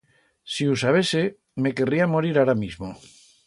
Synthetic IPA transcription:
siusaβ̞ese | meke̞riamoɾiɾaɾamizmo

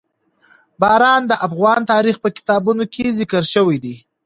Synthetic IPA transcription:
bɑɾɑnd̪əʔafɣɑnt̪ɑɾixpəkɪ̥t̪ɑbunokʰezɪkəɾʃəwid̪i

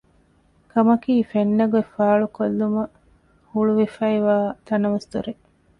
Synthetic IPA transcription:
kɐmɐkiːfenːɐɡuefaːɭukolːumɐ | huɭuʋefɐiʋaːt̪ɐnɐʋɐst̪uɾe

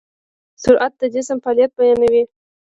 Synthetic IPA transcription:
sʊɾʔat̪̚d̪əd̪esampɑljat̪̚bajɑnawi

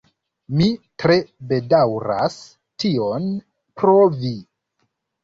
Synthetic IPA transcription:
mitɾe̞be̞dawɾa̰s | tio̞n | pɾovi

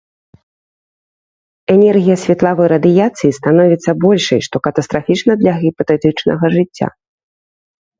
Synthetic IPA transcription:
ɛnʲɛrɣʲijɐsʲvʲɛt̪lˠavɨjɾɐd̪ɨjat̪sɨjist̪anɔvʲit̪sːɐbɔlʲʂɐ̰jʂt̪ɔkɐt̪ɐst̪ɾafʲit͡ʂnɐd̪lʲɐɣʲipɐt̪ɛt̪ɨt͡ʂnɐ̰ɣɐʐɨt͡sʲːa̰

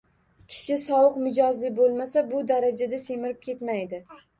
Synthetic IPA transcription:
kʲʰɪ̥ʃɪsɒwɨqmɪd͡ʒɒzlɪbolˠmasabʊd̪aɾad͡ʒad̪ase̞mɪɾɪp̚kʲʰe̞t̪majd̪ɪ

